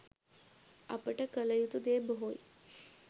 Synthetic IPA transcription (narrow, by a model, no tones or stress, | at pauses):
a̰pəʈakələjut̪ud̪ebɦoj